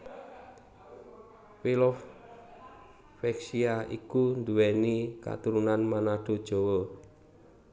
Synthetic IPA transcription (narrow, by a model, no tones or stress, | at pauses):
wilof | fɛksiaʔḭkund̪uwɛnika̰t̪uɾunanmanaɖ̥o̤d̥ʒ̥ɔ̤wɔ